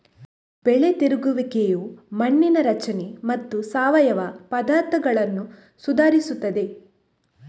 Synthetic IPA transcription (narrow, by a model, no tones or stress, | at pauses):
b̥ɛɭet̪iɾuɡuʋikejumɐɳːinɐɾɐt͡ʃɐnemɐt̪ːusaːʋɐjɐʋɐpɐd̪aːɾt̪ʰɐɡɐɭɐnːu | sud̪aːɾisut̪ːɐd̪e̞